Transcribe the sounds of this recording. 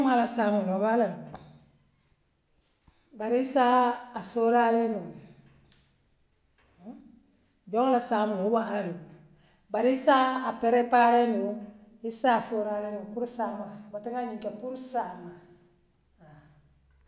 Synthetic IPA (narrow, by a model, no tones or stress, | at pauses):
malasamulɔβala | baɾiisaːsoɾalɛnu | d͡ʒɔlasaːmuubaaɾeku | baɾiisaapɛɾɛpalɛnuisasoɾalɛnukuɾsamabatiŋaɲikapuɾsama | a